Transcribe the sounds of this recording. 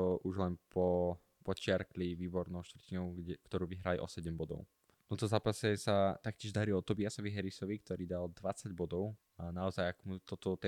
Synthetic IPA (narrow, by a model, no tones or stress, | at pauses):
ɔʔuʒlɛnpɔ | pɔt͡ʃɪaɾkliʋiːbɔɾnɔʊʃt̪ʋrcinɔʊɡkt̪ɔɾuːʋiɦɾaliʔɔsɛɟɛmbɔd̪ɔ̰ʊ | t̪ɔnt̪ɔzaːpasɛsat̪ak̚cʲɪɛʒd̪aɾilɔt̪ɔbiasɔʋiɦɛɾisɔʋik̚t̪ɔɾiːd̪ald̪ʋat͡saɟbɔd̪ɔʊ | anaɔzajakmut̪ɔt̪ɔt̪ɛ